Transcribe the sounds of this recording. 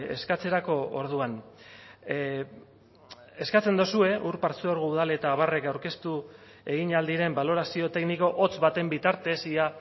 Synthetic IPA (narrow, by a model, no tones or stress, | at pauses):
e̞̰skat͡se̞ɾako̞o̰ɾð̞uan | e̞skat͡se̞nd̪osue̞ʔuɾpaɾt͡seoɾɣ̞ouð̞ale̞t̪aːβare̞kawɾke̞st̪u | e̞ɣ̞iɲald̪iɾe̞mbalo̞ɾasio̞t̪e̞kniko̞ʔot͡sβat̪e̞mbit̪aɾt̪e̞sia